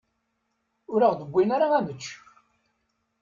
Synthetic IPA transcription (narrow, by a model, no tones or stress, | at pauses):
ʊɾəʁd̪əbʷːinaɾaæmət͡ʃː